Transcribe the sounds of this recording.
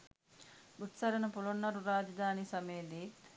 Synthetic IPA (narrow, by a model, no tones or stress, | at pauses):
ut̪sɐɾɐnɐpulonːɐɾuɾaːd͡ʒɐd̪ʱaːnisɐmejːd̪iːt̪